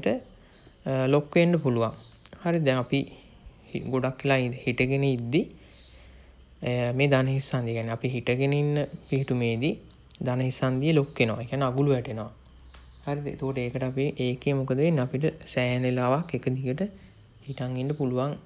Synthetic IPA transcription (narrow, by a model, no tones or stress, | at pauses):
ʈə | lokːeɳɖəpuluʋaŋ | haɾid̪ɛŋapi | hiɡoɖakːilaihiʈəɡenəid̪ːi | meːd̪anəɦisːand̪iekʲæːneapiɦiʈəɡeninːəpiɦiʈumeːd̪i | d̪anəɦisand̪ijəlokːenoʋa̰ekijaːnːeaɡuluʋɛʈenoʋa̰ | haɾḭt̪okoʈəeːkəʈəapiʔeːkemukəd̪əʋenːəapiʈəsɛːɦnelaːʋakːekəd̪ikəʈə | hiʈaŋɡinɖəpuluʋaŋ